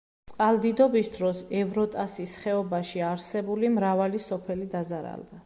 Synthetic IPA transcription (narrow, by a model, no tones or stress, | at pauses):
t̪sʼqʼalˠd̪id̪ɔbisd̪ɾɔsɛvɾɔt̪ʼasisχɛɔbaʃiaɾsɛbulimɾavalisɔpʰɛlid̪azaɾa̰lˠd̪a